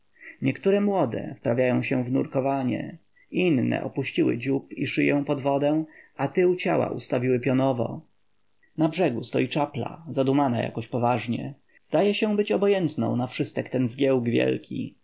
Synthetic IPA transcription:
ɲɛkt̪uɾɛmwɔd̪ɛ̰fpɾavʲjajɔ̃w̃ɕɛ̃vnuɾkɔvaɲɛ̰ | inːɛ̰ʔɔpuɕt͡ɕiwɘ̰d͡ʑupiʂɘjɛ̃w̃pɔd̪vɔd̪ɛ̃at̪ɘwt͡ɕa̰wa̰ʔṵst̪avʲiwɘpʲjɔnɔvɔ̰ | nabʐɛɡust̪ɔjit͡ʂapla̰zad̪umanaja̰kɔɕpɔvaʐɲɛ̰ | z̥d̪ajɛɕɛbɘt͡ɕɔbɔjɛnt̪nɔ̰̃w̃nafʂɘst̪ɛkt̪ɛnzɡʲjɛwɡvʲjɛ̰lkʲḭ

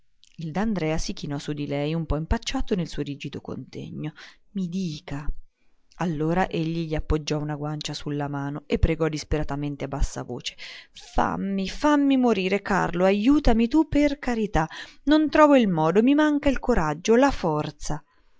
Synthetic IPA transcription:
ild̪and̪ɾɛːasikinɔsud̪ilɛjumpɔimpat͡ʃːaːt̪onelsuoɾiːd͡ʒid̪oko̰nt̪ḛɲːo | mid̪iːka | alːoːɾaʔeʎːiʎiapːod͡ʒːɔunaɡwant͡ʃasulːamaːnoepːɾeɡɔd̪ispeɾat̪ament̪eabːasːa̰vo̰ːt͡ʃe̥fa̰mːifamːimoɾiːɾeka̰rloajuːt̪amit̪upːerkaɾit̪anont̪ɾɔːvoilmɔːd̪omimaŋkailkoɾad͡ʒːolafɔrt̪sa

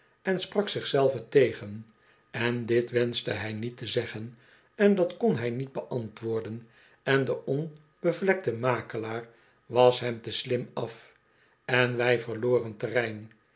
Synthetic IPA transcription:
ɛnsprɑksɪχsɛlˠvətejχən | ɛndɪtʋɛnstəɦɛjnitəzɛχən | ɛndɑtkonɦɛjnid̚bəʔɑntʋʊːɹdən | ɛndəɔn | b̥əvlɛk̚təmaːkəlaːr | ʋɑsɦɛmtəslɪmɑf | ɛnʋɛjvəʁloːrəntərɛjn

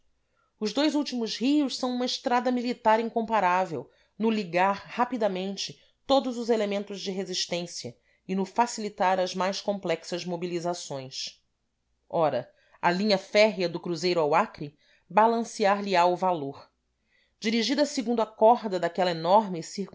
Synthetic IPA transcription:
ʊzd̪ojzuwt͡ʃimʊzhiʊʃsɐ̃w̃ũmɐɪʃt̪ɾad̪ɐmilit̪aɾĩŋkõmpaɾavew | nʊliɡaɾhapid̪ɐmẽnt͡ʃɪ | t̪od̪ʊzʊzelemẽnt̪ʊzd͡ʒɪɦeziʃt̪ẽsiɐ | ɪnʊfasilit̪aɾɐzmajskõmplɛksɐzmobilizasõj̃s | ɔɾɐ | ɐlĩɲɐfɛɦjɐd̪ʊkɾuzejɾʊawakɾi | balɐ̃siaɾliaʊvaloɾ | d͡ʒiɾiʒid̪ɐsɪɡũnd̪ʊakɔɦd̪ɐd̪akɛlɐenɔɾmɪsiɾ

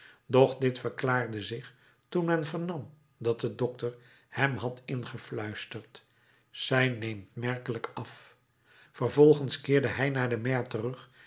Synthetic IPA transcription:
dɔχdɪtfəɹklaːɹdəzɪχ | tunmɛnvəɹnɑm | dɑt̚dədɔk̚təɹ | hɛmɦɑtɪnχəflœɥstəɹt | sɛjnejmtmɛɹkələkɑf | fərvɔlˠχənskɪːɹdəɦɛjnaːɹdəmɛɹtərɵχ

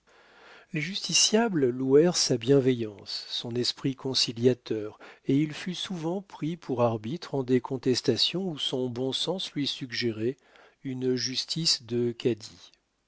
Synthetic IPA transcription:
leʒyst̪isjablluɛʁsabjɛ̃vɛjɑ̃sːɔ̃nɛspχikɔ̃siljat̪œʁeilfysuvɑ̃pχipʰuʁaʁbit̪χɑ̃d̪ekʰɔ̃t̪ɛst̪asjɔ̃usɔ̃bɔ̃sɑ̃slɥisyɡʒeʁɛ | ynʒyst̪isd̪əkʲad̪i

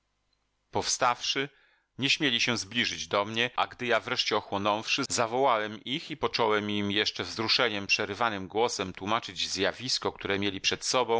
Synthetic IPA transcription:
pɔfst̪afʂɘ | ɲɛɕmʲjelʲiɕɛ̃zblʲiʐɘd͡ʑd̪ɔmɲɛʔa̰ɡd̪ɘjavɾɛʂt͡ɕɛɔxwɔnɔ̃w̃fʂɘzavɔwawɛmixipɔt͡ʂɔwɛmimjɛʂt͡ʂɛvzɾuʂɛɲɛmpʂɛɾɘvanɘmɡwɔsɛmt̪wumat͡ʂɘd͡ʑzjavʲiskɔk̚t̪uɾɛmʲjelʲipʂɛt̪sɔbɔ̃w̃

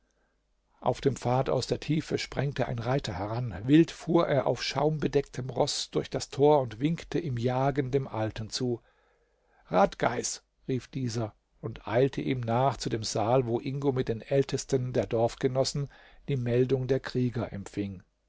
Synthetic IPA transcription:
ʔa̰ʊfd̥eːmfaːta̰ʊsd̥eːɐtʰiːfəʃpʁ̥ɛŋtəʔa̰ɪnʁaɪtʰɐhɛʁanvɪltfuːɐʔeːɐʔa̰ʊfʃaʊmbədɛk̚tʰəmʁɔsd̥ʊɐçd̥astʰoːɐʊntv̥ɪŋktʰəʔɪːmjaːɡəndeːmʔaltən̩t͡suː | ʁaːtɡ̥aɪs | ʁiːfd̥iːzɐ | ʔʊntʔa̰ɪltʰəʔiːmnaːχt͡sudeːmzaːlvoːʔɪŋɡomɪt̚d̥eːnʔɛltʰəstəndeːɐdɔɐfɡ̥ənɔsn̩ | d̥iːmɛldʊŋdeːɐkʁ̥iːɡɐʔɛ̰mfɪŋ

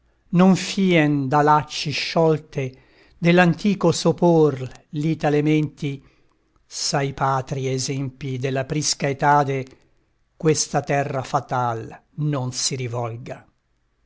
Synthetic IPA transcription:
noɱfiːɛnd̪alat͡ʃːiʃːɔlt̪e | d̪elːant̪iːkosoporliːt̪alemɛnt̪i | sajpaːt̪ɾiɛzɛmpid̪elːapɾiskaet̪aːd̪e | kwest̪at̪ɛrːafat̪alnonsiɾivɔlɡa

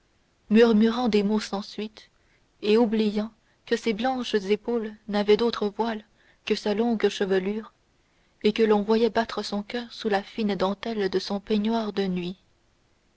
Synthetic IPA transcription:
myʁmyʁɑ̃d̪emosɑ̃sɥit̪ | eublijɑ̃ | kəseblɑ̃ʃzepolnavɛd̪ot̪χəvwal | kəsalɔ̃ɡʃəvəlyːʁ | ekəlɔ̃vwajɛbat̪χəsɔ̃kʲœːʁsulafind̪ɑ̃t̪ɛld̪əsɔ̃pɛɲwaːʁd̪ənɥi

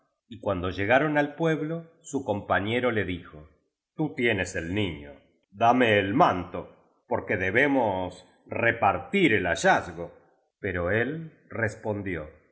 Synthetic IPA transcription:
ikwand̪o̞ʒe̞ɣaɾo̞nalpwe̞βlo̞ | suko̞mpaɲe̞ɾo̞le̞ðixo | t̪ut̪je̞neselniɲo̰ | ðameːlmãnt̪o | poɾkeðeβe̞mos | repaɾt̪iɾe̞laʒazɣo̞ | pe̞ɾo̞e̞l | respo̞nd̪jo̞̰

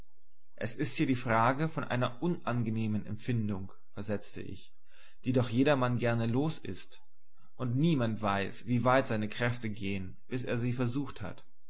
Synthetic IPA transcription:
ʔɛsɪsthiːɐɾiːfʁ̥aːɡəfɔnʔa̰ɪnɐʔʊnʔanɡəneːmənɛ̰mfɪndʊŋ | fɛɐzɛt͡stə̰ʔɪ̰ç | d̥iːdɔχjeːɾɐmanɡɛɐnəloːsɪ̰st | ʔʊntniːmantv̥aɪsv̥iːvaɪtz̥aɪnəkʁ̥ɛftəɡeːən | b̥ɪsḛːɐziːfɛɐzuːxtha̰t

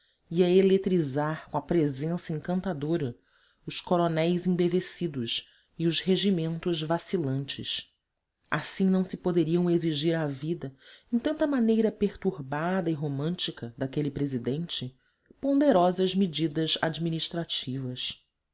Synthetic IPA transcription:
iɐelet̪ɾizaɾkõɐpɾezẽsɐẽŋkɐ̃nt̪ad̪oɾɐ | ʊʃkoɾonɛjzẽbevesid̪ʊʃ | iʊzheʒimẽnt̪ʊzvasilɐ̃nt͡ʃɪ̰s | a̰sĩnɐ̃w̃sɪpod̪eɾiɐ̃w̃eziʒiɾavid̪ɐẽj̃t̪ɐ̃nt̪ɐmanejɾɐpeɾt̪uɾbad̪ɐɪɦomɐ̃nt͡ʃikɐd̪akelɪpɾezid̪ẽnt͡ʃɪ | põd̪eɾɔzɐzmid͡ʒid̪ɐzad͡ʒminiʃt̪ɾat͡ʃivɐs

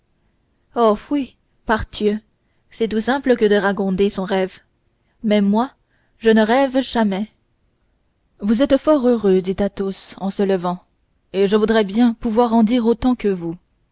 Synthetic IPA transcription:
ɔfwi | paʁt̪ʰjø | sɛt̪usɛ̃pləkəd̪əʁaɡɔ̃d̪esɔ̃ʁɛv | mɛmwa | ʒənəʁɛvʒamɛ | vuzɛt̪fɔʁøʁød̪it̪at̪osɑ̃sələvɑ̃ | eʒəvud̪ʁɛbjɛ̃puvwaʁɑ̃d̪iʁot̪ɑ̃kəvu

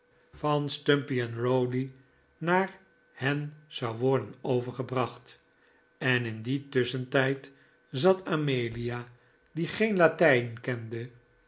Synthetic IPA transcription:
fɑnstømpiɛnrowli | naːɹ | hɛnz̥ɑwʋɔɹdənowvəɹχəbrɑχt | ɛnɪnditʏsəntɛjt | zɑtʰamejlija | diχejnlatɛjnkɛndə

